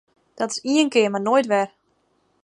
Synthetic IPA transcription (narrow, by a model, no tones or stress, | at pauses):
d̥ɔtɪ̥siənkɪərmarnoːjtʋɛr